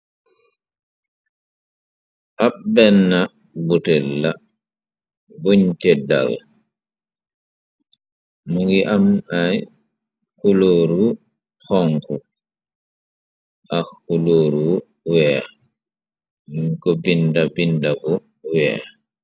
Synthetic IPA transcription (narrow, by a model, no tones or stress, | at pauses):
ʔabɛnːa | butɛlːa | buɲtɛda̰l | muŋɡiʔamaj | kuloːɾu | hɔŋku | ʔaxuloːɾu | wɛː | ŋkɔbindabindabɔ | wɛː